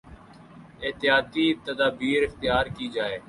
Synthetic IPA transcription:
ɪːt̪ɪjaːt̪iːt̪əd̪aːbiːɾɪxt̪ɪjaːɾkiːd͡ʒaːeː

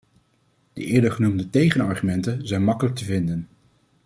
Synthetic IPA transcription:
d̥ə̰ʔɪːɹdəɹχənumdətejχənɑɹχymɛntənzɛjnmɑkələk̚təvɪndən

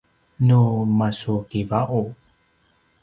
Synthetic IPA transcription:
numasukivaʔu

